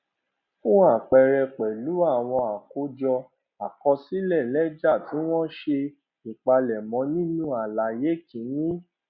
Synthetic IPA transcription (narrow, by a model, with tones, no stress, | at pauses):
fũ˦a˦˨k͡pɛ˨ɾɛ˨k͡pɛ˨lu˨˦a˦˨w̃ɔ̃˧a˨ko˨˦d͡ʒɔ˧ | a˨kɔ˧si˦lɛ˦˨lɛ˦d͡ʒa˦˨tĩ˨˦w̃ɔ̃˦ʃe˧ | i˨k͡pa˧lɛ˨mɔ̃˨˦nĩ˦nũ˦a˨la˨je˨˦kĩ˨˦nĩ˦